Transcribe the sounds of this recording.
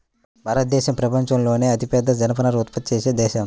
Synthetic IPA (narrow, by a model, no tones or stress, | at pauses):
bʱaːɾɐt̪̚d̪ɛːʃɐmpɾɐpɐɲt͡ʃɐmlo̞ːneːɐt̪ipjɐd̪ːɐd͡ʒɐnɐpɐnɐɾut̪pɐt̪̚t͡ʃeːseːd̪ɛːʃɐm